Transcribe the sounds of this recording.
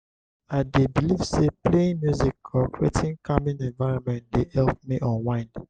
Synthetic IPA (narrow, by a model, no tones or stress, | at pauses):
adebilivsepleĩŋmjuzikɔkɹḛtĩnkamĩnɛ̃ɱvaɪɹɔ̃nmɛ̃ntdehɛlp̚miʔɔ̃nwãɪ̃nd